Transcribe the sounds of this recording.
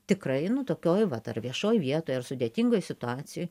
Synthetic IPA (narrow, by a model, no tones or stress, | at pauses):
t̪ʲɪkrɐɪnʊt̪oːkʲoːjʋɐt̪ɐ̰rʋʲiɛʃoːjʋʲiɛt̪oːjɐrsʊd̪ʲeːt̪ʲiŋɡoːjsʲɪt̪ʊɑːt͡s̪ʲɪjoːj